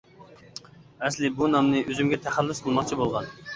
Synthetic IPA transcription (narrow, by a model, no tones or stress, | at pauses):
ɛslɪbunɑmnɨʔøzymɡʲɛt̪ʰæχælːysqʰəlˠmɑqt͡ʃʰibolˠʁɑ̰n